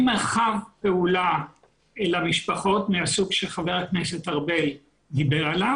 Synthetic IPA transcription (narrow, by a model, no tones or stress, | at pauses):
meʁχavpeula | elamiʃpaχo̞tmeasuɡʃeχaveʁaknesetaʁbe̞l | dibeʁala